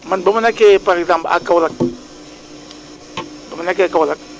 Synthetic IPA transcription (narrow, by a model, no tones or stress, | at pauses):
mənbəmənakepaɾɛɡzãmpəla̰kawlak̚ | bəmənakeakawlak̚